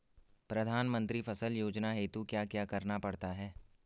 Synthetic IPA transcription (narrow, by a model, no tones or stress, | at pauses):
pɾɐd̪ʱaːnmə̃nt̪ɾifʰɐsəljoːd͡ʒnaɦeːt̪ukjaːkjaːkɐɾnapɐɽt̪aɦɛː